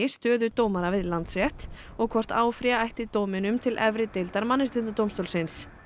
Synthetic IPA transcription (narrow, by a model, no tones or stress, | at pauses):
ɪst̪œːðʏt̪oːwmaɾavɪðlant̪svjɛht̪ | ɔɣkʰɔr̥t̪aːwfɾiaajht̪ɪt̪oːwmɪnʏmt̪ʰɪlʔɛvɾɪt̪ɪlt̪aɾmanːɪst̪ɪnt̪at̪oːwmst̪owlsɪns